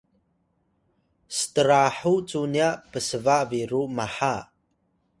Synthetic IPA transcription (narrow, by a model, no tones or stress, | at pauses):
sətəɾaħut͡suniaʔpəsəvaʔviɾumaħa